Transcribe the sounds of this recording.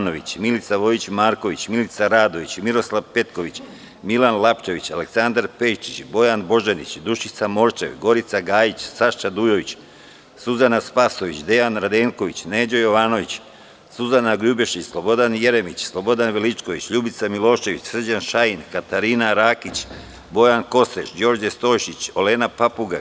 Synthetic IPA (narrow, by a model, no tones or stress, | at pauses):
no̞ʋit͡ɕmilit̪saʋo̞jit͡ɕmaːɾko̞ʋit͡ɕmilit̪saɾaːd̪o̞ʋit͡ɕmiɾo̞slˠaʋpe̞t̪ko̞ʋit͡ɕ | milanlˠapt͡ʃe̞ʋit͡ɕaleksand̪aɾpe̞ʃt͡ʃit͡ɕbo̞janbo̞ʒenit͡ɕd̪uʃit̪samo̞ɾt͡ʃe̞̰ʋɡo̞ɾit̪saɡaːjit͡ɕsaʃt͡ʃad̪ujo̞ʋit͡ɕ | suzanaspaːso̞ʋit͡ɕd̪e̞janɾad̪eːŋko̞ʋit͡ɕneːd͡ʑojo̞ʋaːno̞ʋit͡ɕ | suzanaɡʎubeʃit͡ɕslˠo̞bo̞d̪anje̞ɾemit͡ɕslˠo̞bo̞d̪anʋelit͡ʃko̞ʋit͡ɕʎubit̪samilˠo̞ːʃe̞ʋit͡ɕsr̩d͡ʑanʃainkat̪aɾiːnaɾaːkit͡ɕ | bo̞janko̞sɾet͡ʃd͡ʑo̞ːɾd͡ʒest̪o̞ːjʃit͡ɕo̞leːnapapuɡa